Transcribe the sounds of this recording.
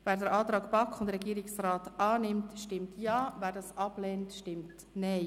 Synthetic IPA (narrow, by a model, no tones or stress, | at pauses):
vɛːɾdəɾʔɑːtɾɑːkpɑkʊndɾɛɡiːɾɪksraːtɑːnɪmtʃtɪmtjɑːvɛːɾdɑːsɑb̥lɛːntʃtɪmt | nɛɪ